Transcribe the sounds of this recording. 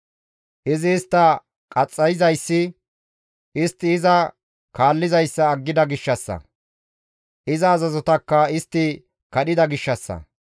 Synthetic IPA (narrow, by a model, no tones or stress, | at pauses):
ʔɪzɪːst̪ːɐ | kʼɐt͡sʼːɐjɪzɐjsːɪ | ʔɪst̪ːɪːzɐ | kʰaːlːɪzɐjsːɐːɡːɪd̪ɐɡɪʃːɐsːɐ̰ | ʔɪzɐːzɐzɔt̪ɐkːɐɪst̪ːɪ | kɐɗɪd̪ɐɡɪʃːɐsːɐ̰